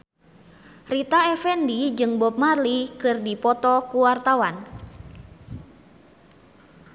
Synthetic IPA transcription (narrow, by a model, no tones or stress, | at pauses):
rit̪aɛfɛndid͡ʒɨŋbɔp̚marlikɨrdipɔt̪ɔkuwart̪awan